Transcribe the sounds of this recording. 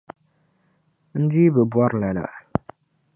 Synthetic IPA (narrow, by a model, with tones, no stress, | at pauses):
n̩˦di˦bɨ˨bwa˦ɾla˨la̰˨ʔ